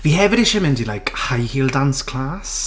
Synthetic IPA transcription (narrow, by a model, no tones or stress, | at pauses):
vihɛvɪɾɪʃɪmɪndilajkhajhiːlˠdanskʰl̥aːs